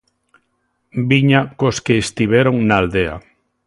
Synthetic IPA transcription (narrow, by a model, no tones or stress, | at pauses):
biɲakoskeːst̪iβ̞eɾoŋnaːld̪ea̰